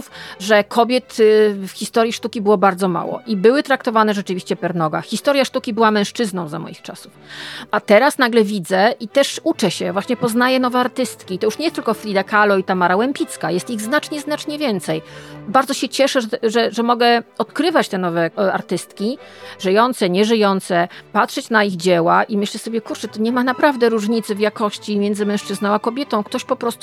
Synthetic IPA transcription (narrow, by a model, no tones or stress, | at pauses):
fʐɛkʰɔbʲjɛt̪fxʲist̪ɔɾʲjiʂt̪ukʲibɘwɔbaɾd̪zɔma̰wɔ̰ʔibɘwɘt̪ɾakt̪ɔvanɛʐɛt͡ʂɘvʲiɕt͡ɕɛpɛɾnɔɡa̰xʲist̪ɔɾʲjaʂt̪ukʲibɘwamɛ̃w̃ʂt͡ʂɘznɔ̃w̃za̰mɔ̰jixt͡ʂa̰sufat̪ɛɾasnaɡlɛvʲid̪zɛʔit̪ɛʂut͡ʂɛɕɛvwaɕɲɛpɔznajɛnɔvɛaɾt̪ɘst̪kʲit̪ɔjuʂɲɛjɛst̪ɘlkɔfɾʲid̪akalɔit̪amaɾawɛmpʲit̪skajɛst̪iɣznat͡ʂɲɛznat͡ʂɲɛvʲjɛnt̪sɛjbaɾd̪zɔɕɛt͡ɕɛʂɛʐʐɛʐɛmɔɡɛɔt̪kɾɘvat͡ɕt̪ɛnɔvɛa̰ɾt̪ɘst̪kʲiʐɘjɔnt̪sɛɲɛʐɘjɔnt̪sɛpat̪ʂɛt͡ɕnaiɣd͡ʑɛwaʔimɘɕlɛsɔbʲjɛkuɾt͡ʂɛt̪ɔɲɛmanapɾavd̪ɛɾuʐɲit̪sɘvjakɔɕt͡ɕimʲjɛnd̪zɘmɛ̃wʂt͡ʂɘznɔ̃w̃akɔbʲjɛt̪ɔ̃w̃kt̪ɔɕpɔpɾɔst̪u